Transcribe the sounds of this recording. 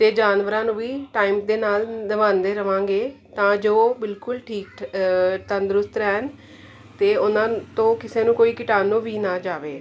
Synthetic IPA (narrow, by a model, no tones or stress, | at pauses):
t̪eːd͡ʒaːnʋəɾãːnũːʋiːʈaːiːmd̪eːnaːld̪əʋãːnd̪eːɾəʋãːŋɡeːt̪ãːd͡ʒoːbɪlkʊlʈʰiːk | t̪ənd̪ɾʊst̪ɾɛːn | t̪eːʊnãːt̪õːkɪseːnũːkoːiːkɪʈaːnũːʋiːnaːd͡ʒaːʋḛː